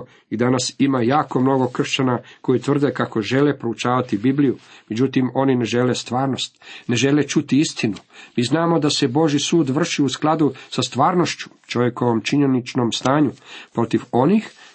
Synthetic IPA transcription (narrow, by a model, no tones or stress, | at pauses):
id̪anasimajaːko̞mno̞ɡo̞kr̩ʃt͡ɕanako̞jit̪ʋr̩d̪ekako̞ʒe̞lepɾo̞ut͡ʃaːʋat̪ibiblijume̞d͡ʑut̪imo̞nine̞ʒe̞le̞st̪ʋaːɾno̞st̪ne̞ʒe̞le̞t͡ʃut̪iist̪inumiːznaːmo̞d̪ase̞bo̞ʒisuːd̪ʋr̩ʃiusklˠad̪usast̪ʋaːɾno̞ʃt͡ɕu̥t͡ʃoʋjeko̞ʋomt͡ʃiɲe̞nit͡ʃno̞mst̪aːɲupɾo̞t̪iʋo̞nix